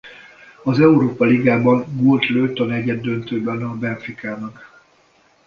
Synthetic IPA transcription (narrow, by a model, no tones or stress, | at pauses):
ɒzɛuɾoːpɒliɡaːbɒŋɡolt̪løːt̪o̞nɛɟɛd̪ːø̞nt̪øːbɛnɒbɛnfrikʰaːnɒk